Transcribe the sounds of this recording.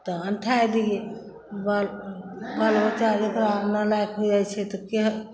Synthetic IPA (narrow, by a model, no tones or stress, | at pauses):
t̪ɔənʈʰaed̪ije | balbalbət͡ʃaɾekɾanəlajkɦod͡ʒajt͡ʃʰɛt̪ɔkeɦ